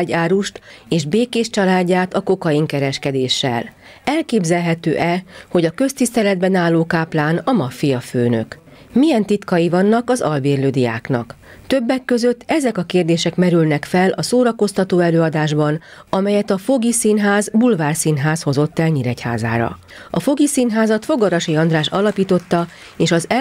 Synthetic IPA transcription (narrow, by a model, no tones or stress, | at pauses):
ɟaːɾuʃt̪eːʒbeːkeːʃt͡ʃɒlaːɟːaːt̪ɒko̞kɒjiŋkɛɾɛʃkɛd̪eːʃːɛ̰l | ɛlkeːbzɛlɦɛt̪ø̰ːʔɛho̞ɟɒkø̞st̪ist̪ɛlɛd̪̚bɛnaːlːoːkaːplaːnɒmɒfijɒføːnø̞̰k | mijɛnt̪it̪kɒjivɒnːɒkɒzɒlbeːrløːd̪ija̰ːknɒ̰k | t̪ø̞bːɛkːø̞zø̞t̪ːɛzɛkɒkeːrd̪eːʃɛkmɛɾylnɛkfɛlʔɒsoːɾɒko̞st̪ɒt̪oːɛløːɒd̪aːʒbɒn | ɒmɛjɛt̪ɒfo̞ɡisiːnɦaːzbulvaːrsinɦaːsho̞zo̞t̪ːɛlɲiɾɛcha̰ːza̰ːɾɒ̰ | ɒfo̞ɡisiːnɦaːzɒt̪fo̞ɡɒɾɒʃiɒnd̪raːʃɒ̰lɒpiːt̪o̞t̪ːɒ | eːʃɒzɛ